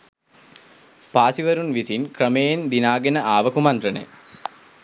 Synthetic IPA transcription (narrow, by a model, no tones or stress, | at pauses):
paːsiʋɐɾunʋisinkrəmejend̪inaːɡenəʔaːʋəkumand̪rənḛ